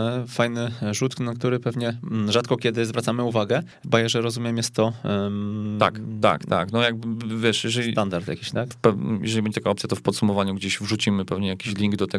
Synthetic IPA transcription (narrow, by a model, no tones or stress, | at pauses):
fajnɘʐut̪knakt̪uɾɘpɛvɲɛʐat̪kɔkʲɛd̪ɘzvɾat̪samɘuvaɡɛ | bajɛʐɛɾɔzumʲjɛmjɛst̪ːɔ | t̪a̰k̪a̰kt̪a̰knɔjaɡ̚bɘvʲjɛʂjɛʐɛlsʲitand̪aɾt̪ja̰kʲiɕt̪akpɛjʔɛ̰ʐɛlʲibɛɲɛt̪akaɔp̪sʲjat̪ɔfpɔt̪sumɔvaɲuɡd͡ʑeɕvʐut͡ɕimɘpɛvɲɛjakʲiɕlʲiŋɡd̪ɔt̪ɛ